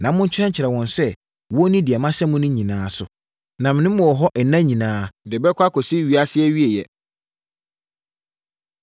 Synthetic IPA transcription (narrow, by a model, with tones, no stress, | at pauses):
nã˨mʊ̃˦ɲ̩˦t͡ɕʰɛ̃˦ɲ˦t͡ɕʰɪ˨ɾɛ˨wɔ̃˨nsɛ˦ | wɔ˦nĩ˦dɪ˨ɛ˨mã˦sɛ˦mʊ̃˦nʊ̃˦ɲĩ˨nãː˦sʊ˨ | nã˨mɪ̃˨nɪ̃˦m˦mɔ̃˨ɔ˨ɦɔ˦ʔɛ˨nã˦ɲĩ˨nãː˦dɪ˨bɛ˦kʷʰa˦kʰɔ˨si˦ɥi˦a˦sɪ˦ɛ˦ɥi˦e˨jɛ˨